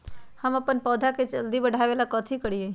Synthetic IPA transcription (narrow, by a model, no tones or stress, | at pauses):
həməpənpɔːd̪ʱaket͡ʃəld̪ibəɽ̤ʱaʋelakɔːt̪ʰikəɽije